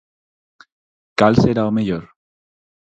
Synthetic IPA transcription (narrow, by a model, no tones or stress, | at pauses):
kalseɾaomeʝoɾ